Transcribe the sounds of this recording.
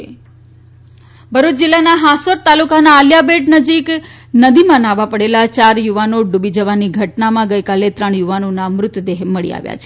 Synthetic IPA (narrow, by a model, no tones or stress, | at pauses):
bʱəɾut̪d͡ʒilːanaɦasoɾt̪alukanaːljabeɖnəd͡ʒik | nəd̪imãnaʋãpəɽelat͡ʃaɾjuʋanoɖubid͡ʒəʋaniɡʱəʈnamãɡəjkalet̪ɾəɳjuʋanonamɾʊt̪ʋd̪eɦməɭḭa̰ʋja̰t͡ʃʰe̥